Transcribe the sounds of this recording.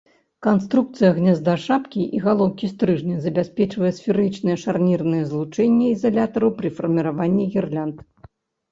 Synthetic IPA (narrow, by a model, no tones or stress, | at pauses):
kanst̪ɾuk̚t̪sɨjɐɣnʲɛzd̪ɐʂapkʲiʔiɣalˠɔwkʲist̪ɾɨʐnʲɛzɐbʲasʲpʲɛt͡ʂvɐjɛsfʲiɾɨt͡ʂnɨjɛʂarnʲirnɨjɛzlˠut͡ʂɛnʲːɛizalʲat̪ɐɾuwpɾɨfɐrmʲiɾavanʲːiɣʲirlʲant̪